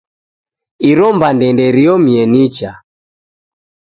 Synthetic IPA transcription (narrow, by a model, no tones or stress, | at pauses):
iɾɔmbandɛndɛɾiɔmiɛnit͡ʃa